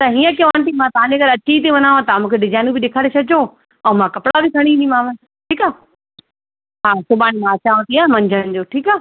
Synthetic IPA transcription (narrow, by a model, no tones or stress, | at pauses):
t̪ɐɦiːə̃k̬iõʋaːnt̪ĩmãt̪ɐʋãɲd͡ʑeɡɐɾɐt͡ɕit̪̬eʋɐnaːʋãt̪amũːkʰeɖɪzaːɪnũbʱɪɗeːkʰaːɽet͡ɕʰɐd͡ʑoː | ɛ̃ːmãkɐpɽabikʰɐɽ̃ĩimãːʋɐ̃ | ʈʰiːkaː | ɦaːsʊbaːɽ̃imãɐt͡ɕaːʋõt̪ʰiãːmɐ̃ɲd͡ʑʱəɽɪ̆d͡ʑoːʈʰiːkaː